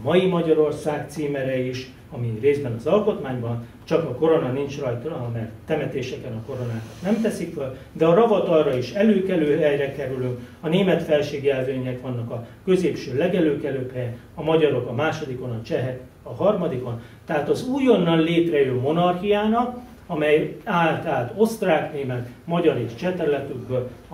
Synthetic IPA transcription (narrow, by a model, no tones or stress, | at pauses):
mɒjimɒɟɒɾo̞rsaːkt̪siːmɛɾɛiʃ | ɒmireːzbɛnɒzɒlko̞t̪maːɲbɒn | t͡ʃɒkɒko̞ɾo̞nɒnint͡ʃrɒjt̪ɒmɛrt̪ːɛmɛt̪eːʃɛkɛnɒko̞ɾo̞naːkɒ̥t̪nɛmt̪ɛsikføl | d̪ɛɒɾɒvɒt̪ɒlrɒiʃɛløːkɛløːɦɛjrɛkɛɾylyŋkɒneːmɛt̪fɛlʃeːɡɛlveːɲɛkʋɒnːɒkɒkø̞zeːpʃøːlɛɡɛløːkɛløːphɛjɛn | ɒmɒɟɒɾo̞kɒmaːʃo̞d̪iko̞nɒt͡ʃɛɦɛk | ɒɦɒrmɒd̪iko̞n | t̪ɛɦaːt̪ɒzuːjo̞nːɒnleːt̪rɛjømːo̞nɒrxijaːnɒk | ɒmɛjaːlt̪aːlt̪o̞st̪raːkneːmɛt̪mɒɟɒɾeːʃt͡ʃɛt̪ɛrlɛt̪yɡbøl